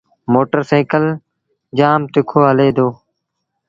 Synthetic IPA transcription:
moːʈəɾseːkəl | d͡ʒaːmt̪ɪkʰoːɦəleːd̪oː

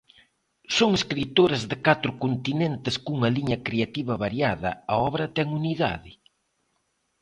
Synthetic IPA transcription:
soŋeskɾit̪oɾɐzðɪkat̪ɾʊkont̪inent̪ɪskuŋɐliɲɐkɾeat̪iβɐβaɾjaðɐ̰ɐɔβɾɐt̪ɛŋuniða̰ðɪ

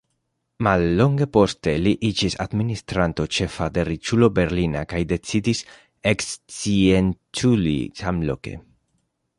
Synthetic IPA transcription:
malːo̞ŋɡe̞po̞st̪e̞liʔid͡ʒisa̰d̪minist̪ɾant̪o̞t͡ʃe̞fade̞ɾit͡ʃulo̞be̞ɾlinakajd̪e̞t͡sid̪is | ekst͡sient͡ʃulḭsamlo̰ke̞̰

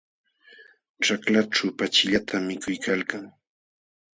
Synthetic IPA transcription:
ʈ͡ʂaklaʈ͡ʂapat͡ʃɪʎat̪ʰamːɪkʊjkʰalkaŋ

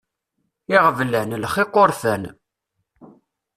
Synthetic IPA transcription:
ɪʁvlænlχɪqːoɾˤfæn

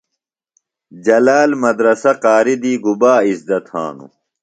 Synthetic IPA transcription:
d͡ʑɐlaːlmɐd̪ɾɐsɐqaːɾid̪iːɡubaːisd̪ɐt̪hã̰ːnṵ

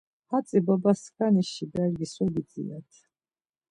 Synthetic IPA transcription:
hat̪sʼibɔbaskʰaniʃibɛɾɡisɔɡid̪t͡s̪ʼḭat̪ʰ

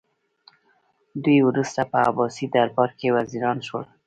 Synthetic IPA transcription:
d̪ujwɾust̪apəa̰bɑsid̪aɾbaɾkewaziɾɑnʃəl

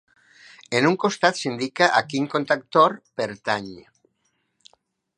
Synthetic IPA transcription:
enuŋkost̪at̪sind̪ikaʔakiŋkont̪ak̚t̪oɾpeɾt̪aɲ

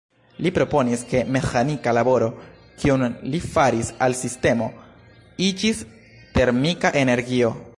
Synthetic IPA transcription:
lipɾo̞po̞niske̞me̞xanikalabo̞ɾo̞ | kiunlifaɾisalsiste̞mo̞ | id͡ʒis | te̞ɾmikaʔe̞ne̞ɾɡio̞

